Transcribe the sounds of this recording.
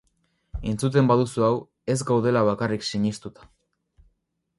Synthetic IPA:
e̞nt͡sut̪̬e̞mbaðusuaw | e̞zɡawðe̞laβ̞akariksiɲist̪ut̪ḁ

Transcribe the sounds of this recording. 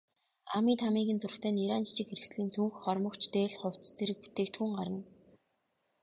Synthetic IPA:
amiːt̪ʰamiːɣɘ̆nt͡sʊrxt̪ʰæːniɾaːnt͡ɕi̥t͡ɕɪ̆kxeɾɘ̆ksɮiːnt͡sʰuŋxχɔrmɞ̆kt͡ɕʰt̪eːɮχʊw̥t͡s̪t͡seɾɘ̆k̚pu̥t̪eːk̚t̪xuːŋɢaɾə̆n

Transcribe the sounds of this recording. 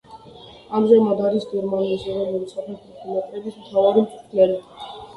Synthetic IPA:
amzɛmad̪aɾisɡɛɾmaniːsɔɾɛlulisaχʰɛt̪ʰʼit̪ʰimat̪ʼɾɛbismt̪ʰavaɾimt̪ʰʼu̥t̪ʰlɛli

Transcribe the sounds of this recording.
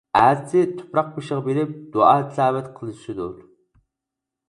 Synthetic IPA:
æsʰɪt̪ʰʊ̥pɾɑq̚peʃəʁɑbeɾɪp̚d̪̥uʔɑːt̪ʰisɑːwɛt̪qʰəlˠɨʃɪd̪ṵɾ

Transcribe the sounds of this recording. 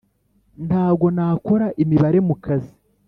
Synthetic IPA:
ntaːb̚ɡo̞naːko̞ɾaʔimiβaɾe̞mukazi

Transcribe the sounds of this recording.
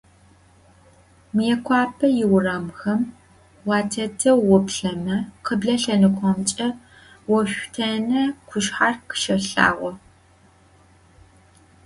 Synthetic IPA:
mɨjɛkʷʰɑːpʰɐjɪwrɐmxɐm | wɑːtʰɐtʰɐwʊpɬɐmɐqəbɮɐɬɐnɨkʷʰɔmt͡ʃʼɐ | wɔɕʷᶣtʰɐnɐkʷʰʊʃħarqə̥ʃɐɬa̰ːʁʷɔ

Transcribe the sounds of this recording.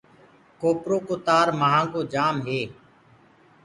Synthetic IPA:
koːpɾoːkoːt̪aːɾməɦãːkoːd͡ʒaːmɦeː

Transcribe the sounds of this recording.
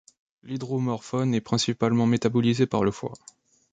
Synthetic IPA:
lid̪ʁomɔʁfɔnɛpχɛ̃sipalmɑ̃met̪abɔlizepaʁləfwa̰

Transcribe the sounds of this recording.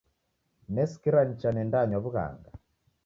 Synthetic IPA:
nɛskiɾan̩t͡ʃanɛndaɲaβuɣa̰ŋɡa

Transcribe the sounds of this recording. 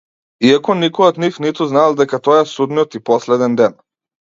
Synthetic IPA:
iakɔnikɔjɔt̪nifnit̪uznalˠd̪ɛkat̪ɔjaɛsud̪niɔt̪ipɔslɛd̪ɛnd̪ɛn

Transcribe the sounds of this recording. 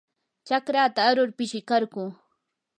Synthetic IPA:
t͡ʃakɾaːt̪aːɾʊɾpɪʃɪkaɾɢʊː

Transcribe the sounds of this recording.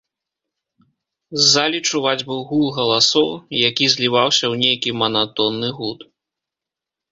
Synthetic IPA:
zːalʲit͡ʂuvad͡zʲbɨwɣulˠɣɐlˠasɔwjakʲizʲlʲivawsʲɐwnʲejkʲimɐnat̪ɔnːɨɣut̪

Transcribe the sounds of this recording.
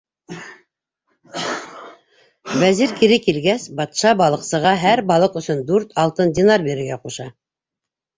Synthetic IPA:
βæziɾkiɾɘkilɡæsbɑt̪ʃɑbɑlˠɤ̆qsɤ̆ʁɑɦæɾbɑlˠɤqɵ̆sɵnd̪ʉɾt̪ɑlˠt̪ɤndʲɪnarbeɾɘ̆ɾɡæquʃɑ

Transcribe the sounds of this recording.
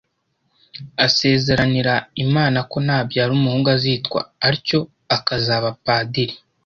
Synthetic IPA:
ase̞ːze̞ɾaniɾaimaːnako̞naːbjaɾumuhuːŋɡaziːtkwa̰ːɾico̞ | akazaβapaːdiɾi

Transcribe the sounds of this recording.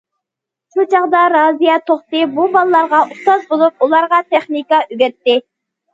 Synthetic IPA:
ʃut͡ʃʰɑʁd̪ɑɾɑzijɑt̪ʰoχt̪ɨbubɑlˠəlˠɑɾʁɑʔuχt̪ɑzbolˠup̚ulˠɑɾʁɑt̪ʰɛχnikɑyɡʲɛɾt̪ːɪ

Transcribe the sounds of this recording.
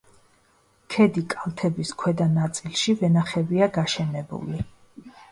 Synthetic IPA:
kʰɛd̪ikʼalˠt̪ʰɛbiskʰwɛd̪anat̪sʼilˠʃivɛnaχɛviaɡaʃɛnɛbṵli

